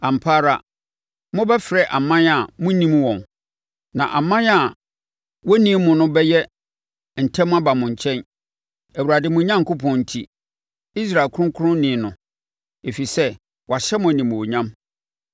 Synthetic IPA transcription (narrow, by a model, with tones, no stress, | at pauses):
a˨m̩˨pʰaː˦ɾa̰˦ | mʊ̃˦bɛ˦fɪ˨ɾɛ˦ʔa˨mã˦na˨mʊ̃˦nĩ˦m˦wɔ̃˨n | nã̰˨ʔa˨mã˦na˨ | wɔ˦nĩ˦mʊ̃˨nʊ̃˦bɛ˦jɛ˦ | n̩˨tʰɛ̃˦m̃˦a˦ba˨mʊ̃˨ɲ̩˨t͡ɕʰɛ̃˦n | æ˨wu˨ɾa˨dɪ˨mʊ̃˨˦ɲã˦ŋ˨kʊ˦pʰɔ̃˨n̩˨tʰi˦ | i˦s̬ɾa˨kʰʊ˦ʊ̃˦ŋkʰʊ˦ʊ̃˦nĩ˨˦nʊ̰̃˨ | e˨fi˨sɛ˦ | wɔ˨a˨ɕɛ˦mʊ̃˨æ˨nĩ˨m˨o˨ɲã˦m